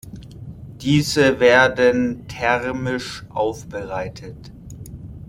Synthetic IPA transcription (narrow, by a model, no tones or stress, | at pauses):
d̥iːzəveːɐdəntʰɛʁmɪʃʔaʊfb̥əʁaɪtʰət